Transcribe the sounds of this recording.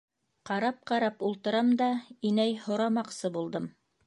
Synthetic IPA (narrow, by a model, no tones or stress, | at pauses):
qɑɾɑp̚qɑɾɑpulˠt̪ɤ̆ɾɑmd̪ɑinæjhŏɾɑmɑqsɤbulˠd̪ɤm